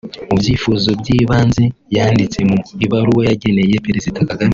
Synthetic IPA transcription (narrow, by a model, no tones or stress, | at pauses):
ubjiːfuzobɟiːβaːnzejaːndit͡se̞muiβaɾuwojaɟe̞nejepeɾezitakaɡami